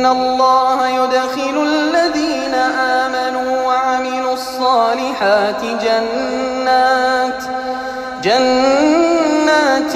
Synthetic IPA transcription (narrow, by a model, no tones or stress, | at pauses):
nːalˤːɑːhajʊd̪xɪlʊlːaðiːnaʔaːmanuːwaʕamɪluːɑsˤːɑːlɪħaːt̪ɪd͡ʒanːa | d͡ʒanː | aːt̪